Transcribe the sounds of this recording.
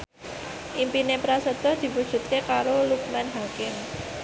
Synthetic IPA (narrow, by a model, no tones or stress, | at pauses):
ʔimpinepɾasət̪ɔhd̪̥i̤pud̥ʒ̥ṳt̪̚kekaɾoluk̚manɦakɪm